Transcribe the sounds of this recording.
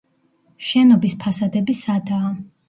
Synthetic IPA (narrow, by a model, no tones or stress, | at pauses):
ʃɛnɔbispʰasad̪ɛbisad̪aː